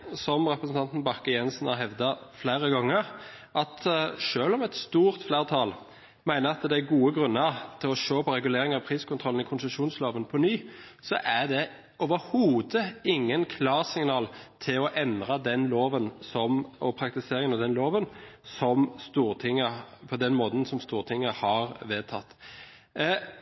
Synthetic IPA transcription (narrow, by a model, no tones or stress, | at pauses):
sɔmʁɛpɾəsən̩t̪ʰɑnt̪n̩bɑkːəjɛnsn̩hɑɾɦɛʋd̪ɑflæɪɾəɡɑŋːəʁ | ʔɑt̪ʃøːlɔmɛt̪st̪uːʁt̪flæːʁt̪ʰɑːl | mæɪnəɑt̪d̪ɛæɡuːəɡʁʉnːət̪ʰɪlɔʃoːpɔɾɛɡʉleːɾɪŋɑʋpʰʁiːskʊnt̪ʁɔln̩ɪkʰʊnsəʃuːnsloːʋənpʰɔnyːsɔ̰ʔæd̪ɛ | ɔːʋəɾhuːd̪əɪŋːənkʰlɑːʁsɪŋnɑːlt̪ʰɪlɔʔɛnd̪ʁɑd̪ɛnloːʋənsɔmɔpʰɾɑk̚t̪ɪseːɾɪŋənɑd̪ɛnloːʋənsɔmst̪uːʁt̪ʰɪŋːəpʰɔd̪ɛnmoːd̪n̩sɔmst̪uːʁt̪ʰɪŋːəhɑʁʋeːt̪ʰɑt̪ː